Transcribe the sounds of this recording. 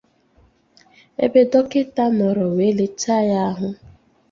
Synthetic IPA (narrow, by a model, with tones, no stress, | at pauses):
ḛ˦be˦dɔ˦kɪ˦ta˦mɔ˨ɾɔ˨we˨˦le˦t͡ʃa˦˨ja˦ɦʊ˦